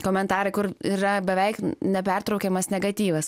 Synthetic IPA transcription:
koːmʲɛnt̪ɑːɾɐɪkʊɾiːɾɐbʲɛʋʲɛɪknʲɛp̬ʲɛrt̪ɾɐʊkʲɛːmɐsnʲɛɡɐt̪ʲiːʋɐs

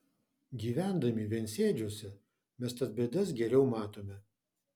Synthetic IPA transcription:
ɡʲiːʋʲæˑnd̪ɐmʲiʋʲiɛnʲsʲeːd͡ʒʲoɔsʲɛ | mʲɛst̪ɐt̪̚bʲɛːd̪ɐs̬ɡʲɛɾʲɛʊmɑːt̪oːmʲɛ

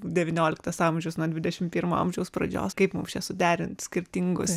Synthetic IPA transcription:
d̪ʲɛʋʲɪnʲoːlʲɪkt̪ɐsɑːmʲʒʲɛʊsnuɔd̪ʲʋʲɪd̪ʲɛʃʲɪmpʲiːɾmoɐ̰mʲʒʲɛʊspɾɐ̰d͡ʒʲo̰ːskɐɪpmʊmst͡ʃʲɛsʊd̪ʲæːɾʲɪnt̪sʲkʲɪɾʲt̪ʲɪŋɡʊs

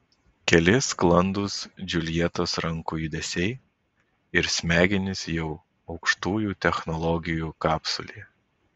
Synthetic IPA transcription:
kʲɛlʲɪsklˠɐnd̪ʊsd͡ʒʲʊlʲijɛt̪osɾɐŋkuːjʊd̪ʲɛsʲɛɪ | ɪɾsʲmʲæːɡʲɪnʲɪsjɛʊ | ɒʊkʃt̪uːjuːt̪ʲɛxnɔlˠɔɡʲɪjuːkɑːpsʊ̰lʲiː

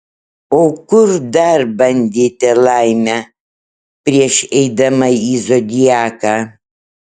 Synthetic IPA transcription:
oːkʊɾd̪ɐɾbɐnʲd̪ʲiːt̪ʲɛlˠɐɪmʲæ | pʲɾʲiɛʃɛɪd̪ɐmɐiːzod̪ʲɪjæːkaː

